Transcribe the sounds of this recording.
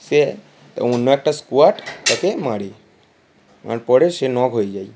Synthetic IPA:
se | onːoɛk̚ʈaskuaʈt̪akemaɽi | ma̰ɽpɔɽeʃenɔɡʱojd͡ʒaj

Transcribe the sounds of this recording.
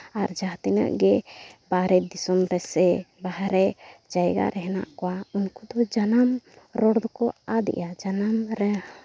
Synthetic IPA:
aɾd͡ʒaɦt̪inə̰ʔɡɛbaɾɛd̪isɔmɾɛsɛbahɾɛd͡ʒajɡa̰ɾɛɦɛna̰ʔkɔwaunkud̪ɔd͡ʒanam | ɾɔɽd̪ɔkɔad̪ɛ̰ʔjad͡ʒanamɾɛ

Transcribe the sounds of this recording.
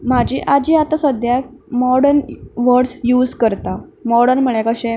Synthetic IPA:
mad͡ʑiːʔad͡ʑiːat̪asəd̪jamɔɽənʋəɾɽsjuːd͡zkəɾt̪amɔɽənməɭjakəɕe

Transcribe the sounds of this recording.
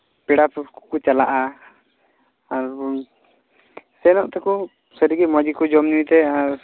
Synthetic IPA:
pɛɽapkkut͡ʃalaʔa | aɾ | sɛnɔʔt̪ɛku | səɾiɡimɔd͡ʒikud͡ʒɔmnuit̪ɛaɾ

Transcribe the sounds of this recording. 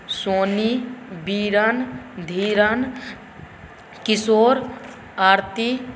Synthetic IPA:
soːnibiɾand̪ʱiːɾən | kisoːɾ | aɾt̪i

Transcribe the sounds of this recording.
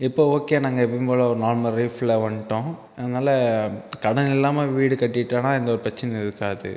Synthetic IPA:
ɪpːoːoːkeːnaːŋɡɐɛpːɐpoːlɐɔɾɯnaːɾmɐlɾiːflɐʋɐɳʈːõː | ɐðɐnaːlɐkɐɽɐnɪlːaːmeːʋiːɽɯkɐʈːɪʈːaːnãːɪnd̪ɐɔɾɯpɾɐt͡ʃːɪnɐɪðɯkːaːðɯ̰

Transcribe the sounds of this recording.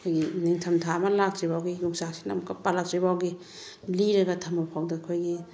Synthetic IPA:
kʰojɡiniŋtʰɐmtʰamɐlak̚t͡ʃibawɡiluk̚sak̚sinɐmkɐpalak̚t͡ʃibawɡi | liɾɐɡɐtʰɐmapʰawdɐkʰojɡi

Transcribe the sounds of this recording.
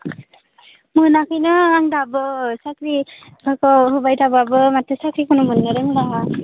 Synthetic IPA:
mɯnakʰɯjnɯaŋdabɯsakɾi | bakawɦubajdababɯmatʰɯsakɾikʰunumɯnːɯɾeŋda

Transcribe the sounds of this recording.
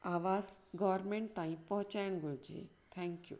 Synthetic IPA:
aːʋasɡɔʋɾmẽɳʈ̚t̪ãːĩpɔɦʊ̃t͡ɕajɽ̃ɡold͡ʒḛ | t̪ʰɛ̃ŋkjṵ

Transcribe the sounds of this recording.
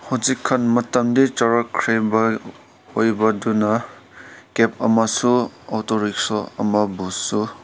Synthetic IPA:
huzikʰːɐnmɐtɐmdit͡ʃɐɾɐkʰɾejbɐ | ojbɐdunɐ | kep̚ʰɐmɐsuatoɾiksoɐ̰mɐbusːu

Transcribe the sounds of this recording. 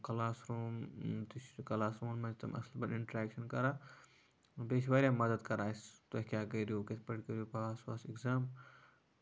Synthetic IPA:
kɐlaːsɾuːmt̪it͡ʃʰkɐlaːsɾuːnmɐnd͡ʒt̪ɐmʔɐ̰slbɐniɳʈɐɾaːkʃɐnkɐɾaː | beʃʋaɾʲjamɐd̪əd̪kɐɾaːjst̪oɦkʲaːkɐɾjukɐt̪ʰpɐʈkɐɾjupasa̰ːsikzaːm

